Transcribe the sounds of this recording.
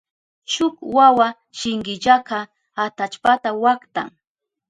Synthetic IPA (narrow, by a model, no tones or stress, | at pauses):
ʃʊkwawa | ʃɪŋɢɪʎakɑ | at̪at͡ʃpat̪awakt̪a̰ŋ